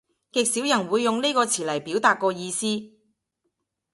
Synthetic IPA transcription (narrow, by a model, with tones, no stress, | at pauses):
kɪ˨k̚si˨˥wjɐ˨˩nwuː˨˧jːʊ˨ŋle˥jkɔː˧t͡sʰiː˨˩lɐ˨˩jpiː˨˥wt̪aː˨˧t̚kɔː˧jiː˧siː˥